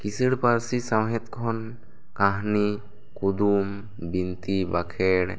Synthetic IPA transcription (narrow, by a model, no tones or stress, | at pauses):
kisəɽpaɾsisawɦɛt̪̚kʰɔn | kaɦni | kud̪um | bint̪ibakʰɛɽ